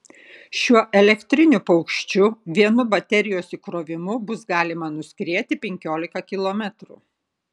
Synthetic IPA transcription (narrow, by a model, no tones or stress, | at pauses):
ʃʲuɔʔɛlʲɛkt̪ʲɾʲɪnʲʊpɐʊkʃʲt͡ʃʲʊʋʲiɛnʊbɐt̪ʲɛɾʲɪjoːsikɾoːʋʲɪmʊbʊsɡɑːlʲɪmɐnʊsʲkɾʲiɛt̪ʲɪpʲɛŋʲkʲoːlʲɪkɐkʲɪlˠoːmʲɛt̪ɾṵ